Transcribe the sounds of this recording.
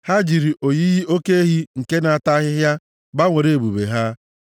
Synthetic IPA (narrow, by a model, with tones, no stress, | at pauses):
ha˦d͡ʒi˨ɾi˨ʔo˨ji˦ɣi˦o˦ke˦e˦ɦi˦ŋ̩˨ke˦na˨a˨ta˦ɦɪ˦ɦja˦ | ba˦ŋʷe˨ɾe˨e˨bu˨bḛ˨ɦa˦